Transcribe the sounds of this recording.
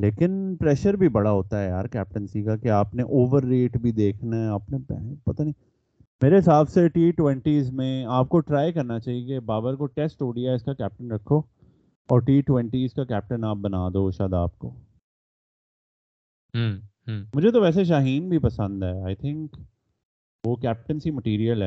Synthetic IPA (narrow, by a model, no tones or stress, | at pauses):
leːkɪnpɾɛːʃəɾbʱibɐɽaɦoːt̪aɦɛjaːɾkɛːp̚ʈənsikakeaːpneʔoːʋəɾːeːʈbʱid̪eːkʰnaɛaːpnepɛ̰pɐt̪ani | meːɾeɦɪsaːbseʈiːʈwɛ̃ɳʈiːzmẽaːp̚koʈɾaːjkɐɾnat͡ʃaːɦiebaːbəɾkoʈɛːsʈoːɖijaɪskakɛːp̚ʈənɾɐkʰːoː | ɔːɾʈiːʈwɛ̃ɳʈizkakɛːp̚ʈə̃naːp̚bɐnaːd̪oʃaːd̪a̰ːp̚ko̰ː | ɦːɦːmʊd͡ʒʱet̪oʋɛːs̬eʃ̬aːɦiːnbʱipɐsə̃nd̪ɦɛːaːɪt̪ʰɪ̃ŋk | ʋokɛːp̚ʈə̃nsimɐʈiːɾijəlɦɛː